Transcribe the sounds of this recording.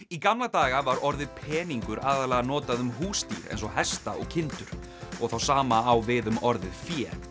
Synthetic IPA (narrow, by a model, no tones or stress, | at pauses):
ikamlat̪aːɣavaɾɔɾðɪpʰɛːniŋkʏɾaːðalɛːɣanɔːt̪aðʏmɦuːst̪ḭɾɛ̰nsɔhɛst̪aɔ̰ɣcʰɪnt̪ʏɾ̥ | ɔɣθawsaːmaːwvɪðʏmɔɾðɪfjɛː